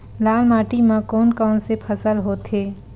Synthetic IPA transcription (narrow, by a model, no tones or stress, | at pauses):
laːlmaːʈimãkoːnkaːnsepʰəsəlɦoːt̪ʰeː